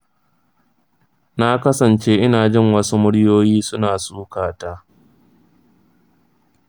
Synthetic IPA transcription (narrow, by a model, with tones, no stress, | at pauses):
na˦kɐ˦sɐ˨nt͡ʃeː˦ʔɪ˦naː˨d͡ʒɪ˦˨ŋwɐ˦su˦mʊ˦ɽjoː˦jiː˦sʊ˦naː˨suː˦kaː˨ta˦